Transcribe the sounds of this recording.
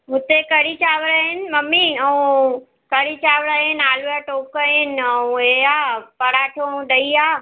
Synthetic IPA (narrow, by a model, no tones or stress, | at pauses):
ɦʊt̪ekɐɽit͡ɕaːʋɽaːɦɪnɪ̆mɐmiɐũ | kɐɽit͡ɕaːʋɽaːɦɪnɪaːlujaʈoːkaɦɪnɪ̆ɐũeaːpɐɽaːʈʰoɐũɗɐiaː